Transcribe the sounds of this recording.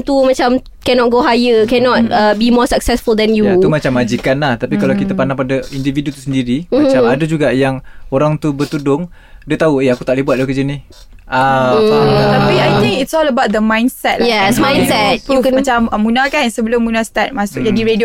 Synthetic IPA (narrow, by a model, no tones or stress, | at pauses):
t̪umat͡ʃam | kɛnɔt̚ɡoɦajəkɛnɔt̚əbimɔsək̚sɛsfuld̪ɛ̃njuaumat͡ʃamːad͡ʒikanlaht̪apikalawkit̪əpanaŋpadaindividut̪usəndiɾimat͡ʃamadad͡ʒuɡaʔjaŋoɾaŋt̪ubərt̪udʊŋ | diat̪aueakut̪aʔlihbuat̪̚dakəd͡ʒənih | a | t̪apiajt̪ĩŋkɪtsɔləbawt̪̚d̪əmãjnsɛt̚lajɛsmãjnsɛt̚ukɛmat͡ʃaməmːunakansəbəlʊmːunast̪at̪̚masʊk̚d͡ʒadiɾedi